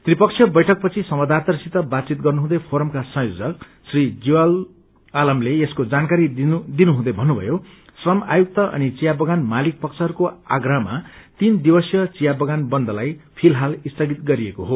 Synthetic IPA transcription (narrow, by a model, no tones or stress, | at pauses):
t̪ripʌkt͡sʰjʌbʌjʈʰʌk̚pʌt͡sʰisʌmwʌd̪at̪ʌrsit̪ʌbad̪̚t͡sit̪̚ɡʌrnuɦũd̪ʌpʰoɾʌmkasʌ̃jod͡zʌk̚ | srid͡ziwal | alʌmleeskod͡zankaɾid̪inuɦũd̪ʌjbʱʌnːubʱʌ̰jo | srʌmajuk̚t̪ʌʔʌ̰nit͡sijabʌɡanmalik̚pʌksʰʌɦʌɾukoa̰ɡramat̪ind̪ibʌsjʌt͡sijabʌɡanbʌnd̪ʌlajpʰilɦalist̪ʌɡit̪ɡʌɾiekoɦo